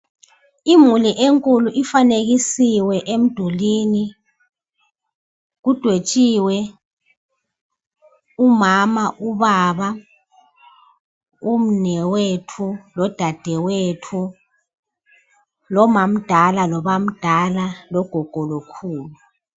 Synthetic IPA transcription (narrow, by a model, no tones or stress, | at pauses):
imuliʔeŋkʼuluʔifaneɣisiwɛʔem̩d̥ʱuliːni | ɣud̥ʱwet͡ʃʼiːwɛ | umamaʔuβaβa | um̩nɛwetʰulɔd̥ʱad̥ʱɛwetʰu | lɔmam̩d̥ʱalalɔβam̩d̥ʱalalɔɡ̥ʱɔɡ̥ʱɔlokʰuːlu